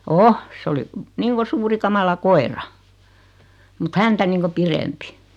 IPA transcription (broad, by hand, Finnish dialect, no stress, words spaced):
o s oli niːŋko suːri kɑmɑlɑ koerɑ mut hæntæ niːŋko pirempi